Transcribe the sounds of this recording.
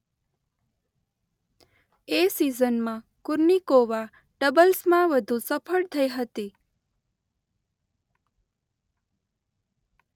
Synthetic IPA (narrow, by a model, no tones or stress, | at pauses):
esizənmã | kʊɾnikoʋa | ɖəbəlsmãʋəd̪ʱũsəpʰəɭt̪ʰəiɦət̪i